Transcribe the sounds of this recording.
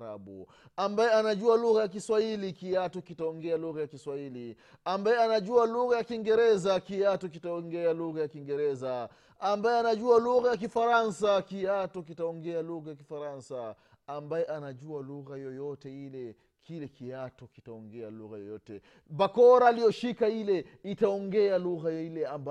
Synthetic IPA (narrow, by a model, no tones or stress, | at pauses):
a̰ɓṵ | ambajɛanaʄualuɣajak̬iswahilikiatɔkitaɔŋɡɛaluɣajakiswahili | ambajɛanaʄualuɣajakiŋɡɛɾɛzakiatɔk̬itaɔŋɡɛaluɣajakiŋɡɛɾɛzaː | mbajɛanaʄualuɣajak̬ifaɾansakiatɔkitaɔŋɡɛaluɣajakifaɾansaː | mbajɛʔanaʄualuɣajɔjɔtɛilɛ | kʰilɛkiatɔkitaɔŋɡɛaluɣajɔjɔtɛ | bakɔɾalijɔʃikailɛitaɔŋɡɛaluɣajilɛamba